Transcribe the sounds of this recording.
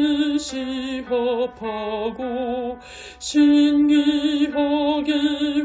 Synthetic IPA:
ɕiɦʌpʰaɡo | ɕʰinɡiɦʌɡi

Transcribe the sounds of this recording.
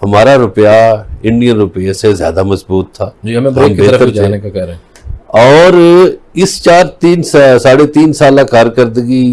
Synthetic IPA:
həmaːɾaɾʊpjaɪ̃ɳɖijənɾʊpːesezja̰ːd̪aməsbuːt̪ʰːaːd͡ʒiɐmẽbɾebeːəɾət̪əɾt̪aenekakɛɾ | ɔːɾɪst͡ʃaːɾt̪iːnsasaːɽet̪iːnsaːlãkəɾkəɾd̪ɡiː

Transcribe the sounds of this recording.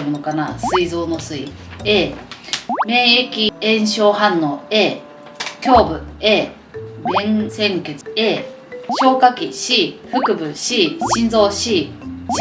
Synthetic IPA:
monokanassɨizo̞ːnosɨi | eː | me̞ːekʲiẽ̞ɰ̃ɕo̞ːhãnːo̞ːeː | kʲo̞ːbɯ̟eː | ɡẽnsẽ̞ŋkʲet͡sɨ̥eː | ɕo̞ːkakʲiɕiːɸɯ̟kɯ̟bɯ̟ɕiːɕĩnd͡zo̞ːɕiː

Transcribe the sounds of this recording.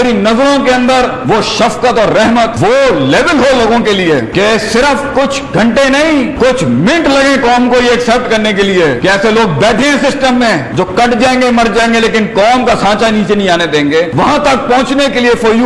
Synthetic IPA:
ɾinɐzɾõkeɐ̃nd̪əɾ | ʋoʃɐfkət̪ɔːɾːɛɦmət̪ʋolɛːʋəlɦoloːɡõkeliekesɪɾəfkʊt͡ʃʰɡʱɐ̃ɳʈenɐɦĩkʊt͡ʃʰmɪ̃ʈlɐɡẽkɔːmkoieɐksɛp̚ʈkɐɾnekeliekeɛːseloːɡ̚bɛːʈʰẽɦɛ̃sɪsʈəmːẽd͡ʒoːkɐʈd͡ʒaːẽŋɡemɐɾd͡ʒaːẽŋɡeleːkɪnkɔːmkasãːt͡ʃaniːt͡ʃenɐɦĩaːned̪ẽːŋɡeːʋɐɦãt̪ɐk̚pɔ̃ɦʊ̃t͡ʃnekeliefoːju

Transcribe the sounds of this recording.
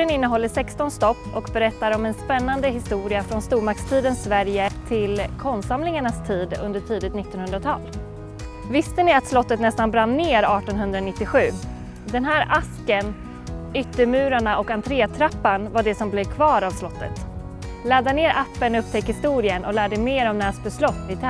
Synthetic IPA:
ənɪnːəɦɔlːəʂɛkst̪ɔnst̪ɔpːɔkbɛɾɛt̪ːaɾɔmɛnspɛnːand̪əɦɪst̪uːɾɪafɾɔnst̪uːɾmakst̪ʰiːd̪ənsvæɾjət̪ʰɪlkʰɔnsamlɪŋaɳast̪ʰiːd̪ɵ̰nd̪əʈʰiːd̪ɪt̪nɪt̪ːɔnhɵnd̪ɾat̪ʰɑ̰ːl | vɪst̪ənɪat̪slɔt̪ːət̪nɛst̪anbɾanːeːɾɑːʈɔnɦɵnd̪ɾanɪt̪ːɪɧʉ̟ː | d̪ɛnɦæːɾaskən | ʏt̪ːəɾmʉ̟ːɾaɳaʔɔkant̪ʰɾeːat̪ʰɾapːanvaɖɛsɔmblɛvkʰvɑːɾavslɔt̪ːə̰t̪ | lɛd̪aneːɾʔapːənɵpːt̪ʰɛkːhɪst̪uːɾɪənʔɔlæːɖɛmeːɾɔmnæːsbɛslɔt̪ːɪt̪ʰ

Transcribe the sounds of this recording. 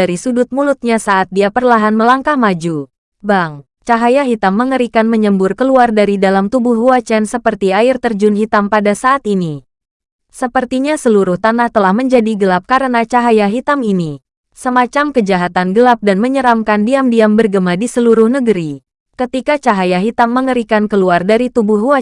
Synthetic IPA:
aɾisudʊt̪̚mulʊt̪̚ɲasaʔat̪̚diapərlaɦanməlaŋkahmad͡ʒu | baŋ | t͡ʃaɦajaɦit̪amːəŋəɾikanməɲəmbʊrkəluardaɾidalamt̪ubʊɦuat͡ʃɛnsəpərt̪iaɪrt̪ərd͡ʒʊnɦit̪ampadasaʔːt̪ini | səpərt̪iɲasəluɾʊht̪anaht̪əlahməɲd͡ʒadiɡəlap̚kaɾənat͡ʃaɦajaɦit̪amini | səmat͡ʃamkəd͡ʒaɦat̪anɡəlap̚danməɲəɾamkandiamdiambərɡəmadisəluɾʊhnəɡəɾi | kət̪ikat͡ʃaɦajaɦit̪amːəŋəɾikankəluardaɾit̪ubʊhɦua

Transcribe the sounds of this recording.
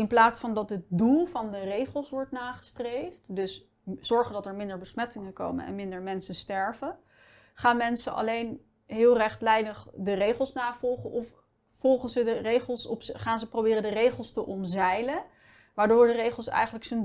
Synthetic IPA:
ɪnplaːtsfɑndɑtɦət̚dulˠvɑndərejχəlˠsʋɔɹtnaːχə̥strejftdɵs | z̥ɔɹχəndɑtɛɹmɪndəɹbəsmɛtɪŋənko̰wmə̰nɛ̰nmɪndəɹmɛnsəstɛɹvən | χaːnmɛnsəʔɑ̰lejn | ɦɪːlˠrɛχtlɛjdəχdərejχəlˠsnaːvɔlˠχənʔɔf | fɔlˠχənzədərejχəlˠsɔpχaːnzəprowbɪːrəndərejχəlˠstəʔɔnzɛjlə | ʋaːɹdʊːɹdərejχəl̩ˠsɛ̰jχənləksən

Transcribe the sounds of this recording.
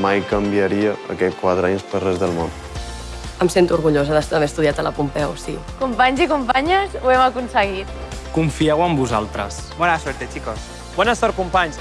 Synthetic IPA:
majkəmbiəɾiəə̰kɛkwaðɾeɲspərɛzðəlˠmo̰n | əmsent̪uɾɣuʎozəðəst̪əβeɾəst̪uðiat̪ələ̰pumpɛwsi | kumpaɲzikumpaɲəzuɛməkunsəɣit̪̚kuɱfiɛwəmbuzalˠt̪ɾəs | bɔnaswɛɾt̪et͡ʃikos | bɔnəsɔɾkumpaɲs

